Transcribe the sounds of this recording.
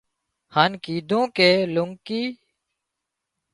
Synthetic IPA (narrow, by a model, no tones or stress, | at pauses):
haːnkiːd̪ʱõːkeːlʊŋkiː